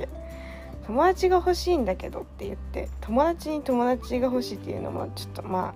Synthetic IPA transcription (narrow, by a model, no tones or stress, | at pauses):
t̪o̞mo̞d̪at͡ɕiɡaho̞ɕĩːnd̪ake̞d̪o̞t̪ːe̞jɯ̟̰t̪ːe̞̰t̪ʰo̞mo̞d̪at͡ɕiɲ̟it̪o̞mo̞d̪at͡ɕiɡaɦo̞ɕiːt̪ːe̞jɯ̟no̞̰mo̰t͡ɕo̞̥t̪ːo̞ma̰ː